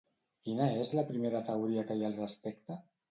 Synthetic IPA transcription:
kinaezlapɾimeɾat̪awɾiakajalrəspekt̪a

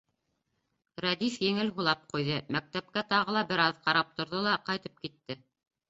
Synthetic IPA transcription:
ɾɑd̪ifjɘ̆ŋɘlɦulˠɑp̚qujðɤmæk̚t̪æp̚kæt̪ɑʁɤ̆lˠɑbɘ̆ɾɑðqɑɾɑp̚t̪ŏɾðolˠɑqɑjt̪ɤp̚kit̪ːɘ

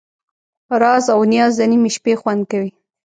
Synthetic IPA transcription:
ɾɑzawnjɑzd̪ənimiʃpexwand̪̚kawi

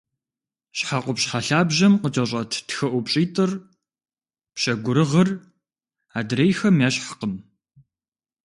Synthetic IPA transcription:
ɕħaqʷʊpɕħaɬaːbʑɐmqət͡ʃʼɐɕʼɐtʰtxɐʔʷʊpɕʼiːtʰʼɨr | pɕɐɡʷʊɾɨʁɐr | aːdɾejxɐmjaːɕħḁqən

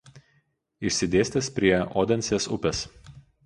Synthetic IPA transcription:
ɪʃʲsʲɪd̪ʲeːsʲt̪ʲɛspʲɾʲiɛʔɔ̰ːd̪ʲɛnʲsʲesʊpʲɛs

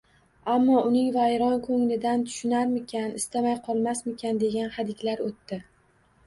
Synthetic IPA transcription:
amːɒʊnɪŋvajɾɒnkʰɵŋlɪd̪ant̪ʰʊ̥ʃʊnaɾmɪkʲʰanɪst̪ʰamajqʰɒlˠmasmɪkʲʰand̪e̞ɡʲanhad̪ɪkʲlaɾot̪ːɪ

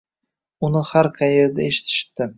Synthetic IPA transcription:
ʊnɪhaɾqʰajeɾd̪aeʃɪ̥t̪ʰɪ̥ʃɪ̥t̪̚d̪ɪ

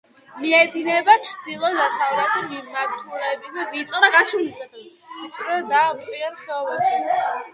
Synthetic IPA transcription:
miɛd̪inɛbat͡ʃʰɾd̪ilˠɔzasavɾat̪ʰimimaɾt̪ʰulɛbizɛvit̪sʼɔd̪aɡat͡ʃʰiniɛt͡ʃʼɾɛd̪aːtʼiɛnχɛɔvaʃɛ

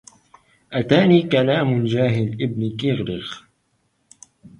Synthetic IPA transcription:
ʔat̪aːniːkalaːmd͡ʒaːɦɪlʔɪb̚nkɪɣɾɪɣ

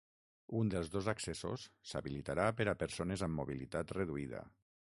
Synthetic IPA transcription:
und̪əlˠzðozakseso̰sːa̰βilit̪aɾapəɾapəɾsonezamːoβilit̪at̪reðuiða̰

